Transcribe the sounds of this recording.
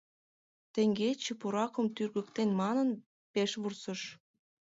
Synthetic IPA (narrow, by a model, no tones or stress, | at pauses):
t̪ĕŋɡet͡ɕə̆puɾɑkə̆mt̪yrɣə̆kt̪enmɑnən | peʃβursəʃ